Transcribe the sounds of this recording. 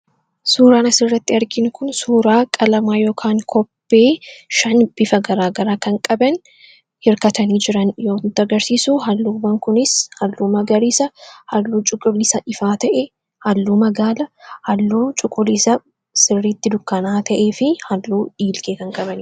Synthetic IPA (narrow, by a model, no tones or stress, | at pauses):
suːɾaːnɐsɪrːɐt̪ːɪɐɾɡɪnʊkʊnsuːɾaːkʼɐlɐmaːjo̞ːkʰaːŋkʰɔpːe̞ːʃɐnb̥ɪfɐɡɐɾaːɡɐɾaːkɐŋkʼɐbɐn | hɪɾkɐt̪ɐniːd͡ʒɪɾɐnjoːt̪ːɐɡɐɾsiːsuɦɐlːuːbɐŋkʊnɪshɐlːuːmɐɡɐɾiːsɐhɐlːuːt͡ʃʼʊkʼːʊliːsɐʔɪfaːt̪ɐʔɛ | hɐlːuːmɐɡaːlɐhɐlːuːt͡ʃʼʊkʼʊlisɐ | sɪrːiːt̪ːɪd̪ʊkːɐnaːt̪ʰɐʔeːfɪhɐlːuːᶑiːlkʼeːkɐŋkʼɐbɐn